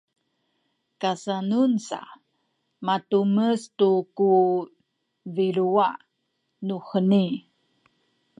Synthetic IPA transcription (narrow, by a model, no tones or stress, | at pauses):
kasanunsa̰ | matuməstuku | viɾua | nuxəni